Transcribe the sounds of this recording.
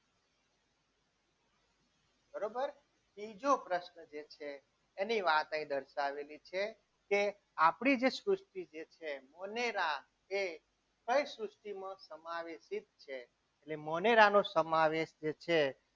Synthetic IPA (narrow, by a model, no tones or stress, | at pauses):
bəɾobəɾ | bid͡ʒopɾəʃnəd͡ʒet͡ʃʰeː | niʋat̪ə̃ĩd̪əɾʃaʋelit͡ʃʰe | ke | apɽ̃id͡ʒesɾʊsʈid͡ʒet͡ʃʰemɔneɾa | e | kəjsɾusʈimãsəmaʋeʃit̪t͡ʃʰeː | ʈlemɔneɾanosəmaʋeʃd͡ʒet͡ʃʰe